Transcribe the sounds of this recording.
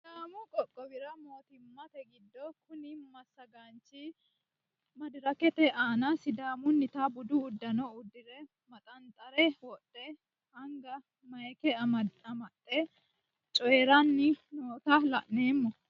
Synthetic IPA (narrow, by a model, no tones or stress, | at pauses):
d̪aːmʊkʼɔkʼːɔbɪɾɐmoːt̪ɪmːɐt̪ɛɡɪd̪ːɔkʊnɪmɐsːɐɡant͡ʃːi | mɐd̪ɪɾɐkɛt̪ɛʔaːnɐsɪd̪aːmʊnːɪt̪abʊd̪ʊːd̪ːɐnɔʊd̪ːɪɾɛ | mɐt̪ʼɐnt̪ʼɐɾɛwɔtʼːɛ | hɐŋɡɐ | mɐjkɛɐmɐt̪ʼːɛ | t͡ʃʼɔɛɾɐnːɪnoːt̪ɐlɐ̰ʔne̞ːmːɔ